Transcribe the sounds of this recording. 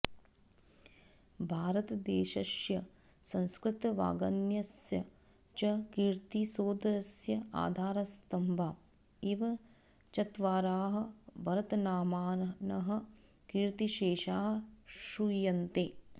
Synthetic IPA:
bʱaːɾɐt̪ɐd̪eːʃɐsjɐ | sɐ̃nskɾɪt̪ɐʋa̰ːɡɐnjɐsjɐ | t͡ʃɐkiɾt̪isoːd̪ɾɐsjɐa̰ːd̪ʱaːɾɐst̪ɐmbʱaː | iʋɐ | t͡ʃɐt̪ʋaːɾaːɦɐ̆bɐɾɐt̪ɐnaːmaːnɐɦɐ̆ | kiːɾt̪iʃeːʃaːɦɐʃujɐnt̪eː

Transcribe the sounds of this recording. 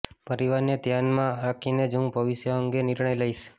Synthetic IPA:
pəɾiʋaɾnet̪janmãɾakʰined͡ʒũbəʋɪʃjəəŋɡeniɾɳəjləiʃ

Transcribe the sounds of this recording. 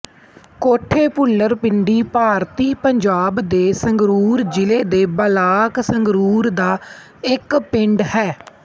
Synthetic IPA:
koːʈʰːeːpʊlːəɾpɪɳɖiːpaːɾt̪iːpəɲd͡ʒaːbd̪eːsəŋɡɾuːɾd͡ʒɪleːd̪eːbəlaːksəŋɡɾuːɾd̪aː | ɪkpɪɳɖhɛː

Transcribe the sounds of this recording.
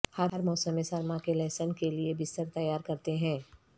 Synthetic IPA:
hɐɾɦəɾmɔːsəmːẽsɐɾmãkelɛːsəmkeliebɪst̪əɾt̪ɐjaːɾkɐɾt̪eɦɛ̃ː

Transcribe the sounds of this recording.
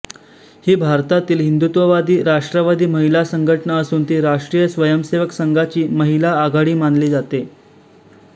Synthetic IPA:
hiːbʱaɾt̪at̪iːlɦind̪ut̪ʋəʋad̪iːɾaʂʈɾəʋad̪ʱiːməɦilasəŋɡʱəʈɳaəsuːnt̪iːɾaʂʈɾiːjəsʋəjəmseʋəksəŋɡat͡ɕiːməɦilaːɡaɽiːmanliːd͡zat̪e

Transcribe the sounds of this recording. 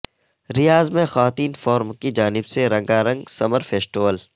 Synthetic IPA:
ɾijaːzmẽxɐʋaːt̪iːnfɔːɾmkid͡ʒaːnɪbseɾɐ̃ŋɡaɾɐ̃ŋɡsɐməɾfeːsʈiʋəl

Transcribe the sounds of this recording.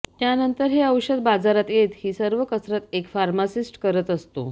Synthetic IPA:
t̪janənt̪əɾɦeəwɕəd̪̚bad͡zaɾat̪jet̪hiːsəɾʋəkəsɾət̪ekfaɾmasisʈkəɾət̪əst̪o̰

